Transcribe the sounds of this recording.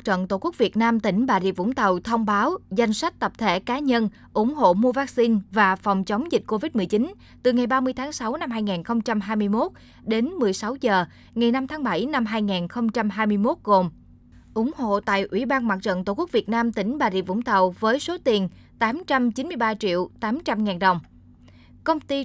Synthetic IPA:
t͡ɕə̰˧˨nt̪o˨˧˩ku˦˥k̚vi˨˩ət̚naː˧mt̪ï˧˩ŋ̟ɓaː˨˩zḭ˧˥vʊ̰˧˥ŋ͡mt̪ə˨˩wt̪ʰə˧wŋ͡mɓaː˨˦wza˧jŋ̟swa˦˥k̟̚t̪ə˨˩p̚t̪ʰe˧˩kaː˨˦ɲə˧n | ʔʊ˧˩ŋ͡mho̰˧˨mu˧vaː˦˥k̚si˧nvaː˨˩fɔ˨˩wŋ͡mt͡ɕə˨˦wŋ͡mzi˨˩k̟̚ko˧vi˦˥t̚mɨ˨˩əjt͡ɕi˨˦n | t̪ɨ˨˩ŋa˨˩jɓaː˧mɨ˧əjt̪ʰaː˨˦ŋsa˨˦wna˧mɦaː˧jŋaː˨˩nxə˧wŋ͡mt͡ɕa˧mɦaː˧jmɨ˧əjmo˦˥t̚ | ɗe˨˦nmɨ˨˩əjsa˨˦wzəː˨˩ | ŋa˨˩jna˧mt̪ʰaː˨˦ŋɓa˧˩jna˧mɦaː˧jŋaː˨˩nxə˧wŋ͡mt͡ɕa˧mɦaː˧jmɨ˧əjmo˦˥t̚ɣo˨˩m | ʔʊ˧˩ŋ͡mho̰˧˨t̪a̰ː˧˨jʔwḭ˧˩ɓaː˧nmwaː˨˩zə̰˧˨nt̪o˧˩ku˦˥k̚vi˨˩ət̚naː˧mt̪ï˧˩ŋ̟ɓaː˨˩zḭ˧˨vʊ̰˧˥ŋ͡mt̪ə˨˩wvəː˨˦jso˨˦t̪i˨˩ən | t̪aː˨˦mt͡ɕa˧mt͡ɕi˨˦nmɨ˧əjɓaː˧t͡ɕḭ˧˨əwt̪aː˨˦mt͡ɕa˧mŋaː˨˩nɗə˨˩wŋ͡m | kə˧wŋ͡mt̪i˧

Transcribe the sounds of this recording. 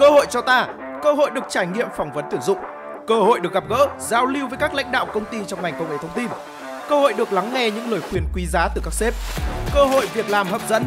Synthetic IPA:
kəː˧ho̰˧˨jt͡ɕɔ˧t̪aː˧ | kəː˧hɦo̰˧˨jɗɨ˨˩ək̚t͡ɕaː˧˩jŋḭ˧˨əmfɔ˨˩wŋ͡mvə˨˦nt̪i˧˩wzʊ̰˧˨ŋ͡m | kəː˧ho̰˧˨jɗɨ˨˩ək̚ɣa˨˩p̚ɣə̰ː˧˥zaː˨˩wli˧wvəː˨˦jkaː˦˥k̚la̰˧˥ŋ̟ɗa̰ː˧˨wkə˧wŋ͡mt̪i˧t͡ɕɔ˧wŋ͡mŋa˨˩jkə˧wʔt̪ʰə˧wŋ͡mt̪i˧n | kəː˧ho̰˧˨jɗɨ˨˩ək̚la˨˦ŋŋɛ˧ɲɨ̰˧˥ŋləː˨˩jxwi˨˩ənkwi˨˦zaː˨˦t̪ɨ˨˩kaː˦˥k̚se˦˥p̚kəː˧ɦo̰˧˨jvi˨˩ək̚laː˨˩mɦə̰ː˨˩p̚zə̰˧˥n

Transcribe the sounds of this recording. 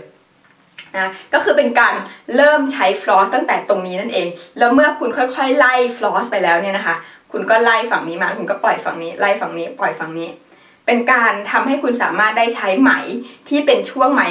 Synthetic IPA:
na˧˥a˦˥kɔː˥˩kɯː˧pe˧nkaː˧nɾɤː˥˩mt͡ɕʰa˦˥jfʰlɔː˦˥t̪a˥˩ŋt̪ɛː˨˩t̪o˧ŋniː˦˥na˥˩nʔeː˧ŋlɛː˦˥wmɯ˥˩ɐkʰu˧nkʰɔ˥˩jkʰɔ˥˩jla˥˩jfʰlɔː˦˥spa˧jlɛː˦˥wni˥˩ɐna˦˥kʰa˦˥kʰu˧nkɔː˥˩la˥˩jfa˨˩ŋniː˦˥maː˧˦˥kʰu˧nkɔ˥˩plɔ˨˩jfa̰˨˩ŋniː˦˥la˥˩jfa˨˩ŋniː˦˥pɔ˨˩jfa˨˧˩ŋniː˦˥ | pe˧nkaː˧nt̪ʰa˧mha˥˩jkʰu˧nsaː˩˦maː˥˩t̪̚daː˥˩jt͡ɕʰa˦˥jma˦˩jt̪ʰiː˥˩pe˧nt͡ɕʰu˥˩əŋma˦˥j

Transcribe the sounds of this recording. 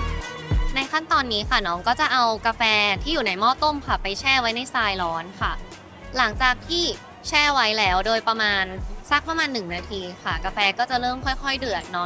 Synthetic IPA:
na˧jkʰa˥˩nt̪ɔː˧nːiː˦˥xʰa˥˩nɔː˦˥ŋkɔː˥˩t͡ɕa˨˩ʔa˧wka˧fɛː˧t̪ʰiː˥˩juː˨˩na˧jmɔː˥˩t̪o˥˩mkʰa˧˩pa˧jt͡ɕʰɛː˥˩wa˦jna˧˥˩jsaː˧jlɔː˦˥nkʰa˥˩ | la˩˦ŋt͡ɕaː˨˩k̚t̪ʰiː˥˩ | t͡ɕʰɛː˥˩wa˦˥jlɛː˦˥wdoː˧jpɾa˧maː˧nsa˦˥˩k̚pɾa˧maː˧nːɯ˨˩ŋnaː˧t̪ʰiː˧xa˥˩kaː˧fɛː˧kɔː˥˩t͡ɕa˨˩ʔɾɤː˥˩mkʰɔ˥˩jxʰɔ˥˩jdɯ˨˩ət̪̚nɔ˦˥

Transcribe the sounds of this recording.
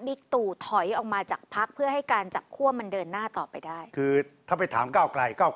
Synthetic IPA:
bi˦˥k̚t̪uː˨˩t̪ʰɔ˨˩˦jʔɔː˨˩k̚maː˧t͡ɕaː˨˩k̚pʰa˦˥k̚pʰɯ˥˩ɐɦa˥˩jkaː˧nt͡ɕa˨˩p̚kʰu˥˩ɐma˧ndɤː˧nːaː˥˩t̪ɔː˨˩pa˧jdaː˥˩jkʰɯː˧t̪ʰaː˥˩pa˧jt̪ʰaː˩˦mkaː˥˩wkla˧jkaː˥˩w

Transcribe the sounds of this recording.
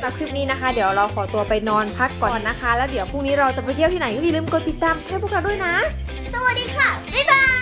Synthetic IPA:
na˦˥kʰuː˥˩niː˦˥na˦˥kʰa˦˥di˩˦əwɾa˧wkʰɔː˩˦t̪u˧ɐpa˧jnɔː˧npʰa˦˥kːɔː˨˩nːa˦˥kʰa˦˥lɛː˦˥wdi˩˦wpʰuː˥˩ŋniː˦˥ɾa˧wt͡ɕa˨˩pːma˧k̪ʰi˥˩wt̪ʰiː˥˩na˩˦jkɔː˥˩i˨˩lɯː˥˩mko˧nt̪i˨˩t̪ːaː˧mk̪ʰɛː˥˩pʰu˥˩k̚ɾa˦˥wdu˥˩ə˨jna˦˥ | sa˧wa˨˩t̚diː˧kʰa˦˥˩baː˧

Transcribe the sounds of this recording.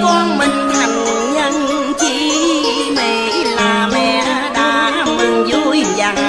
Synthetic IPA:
kɔ˧nmi˨˩ŋ̟t̪ʰa˨˩ŋ˨˩ɲə˧ŋ˧t͡ɕi˧˦ | ma˨˩jlaː˨˩mɛ̰˧˩˥ | ɗa̰ː˧˥˨mɨ˨˩ŋzɔ˧˦jza˨˩

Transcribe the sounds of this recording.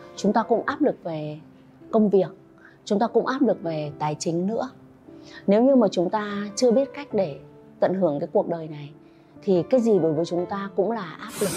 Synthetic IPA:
t͡ɕʊ˨˦ŋ͡mt̪aː˧kʊ̰˧˥ŋ͡mʔaː˦˥p̚lɨ˨˩k̚ve˨˩ | kə˧wŋ͡mvi˨˩ək̚ | t͡ɕʊ˨˦ŋ͡mt̪aː˧kʊ̰˧˥ŋ͡mʔaː˦˥p̚lɨ˨˩k̚ve˨˩t̪aː˨˩jt͡ɕï˨˦ŋ̟nɨ̰˧˥ə | ne˨˦wɲɨ˧maː˨˩t͡ɕʊ˨˦ŋ͡mt̪aː˧t͡ɕɨ˧əɓi˦˥ət̚ka˦˥jk̟̚ɗe˧˩ | t̪ə̰˧˩nɦɨ˧˩əŋkaː˨˦jku˨˩ək̚ɗəː˨˩jna˨˩j | t̪ʰi˨˩kaː˨˦jzi˨˩ɗo˨˦jvəː˨˦jt͡ɕʊ˨˦ŋ͡mt̪aː˧kʊ̰˧˥ŋ͡mlaː˨˩ʔaː˦˥p̚lɨ˨˩k̚

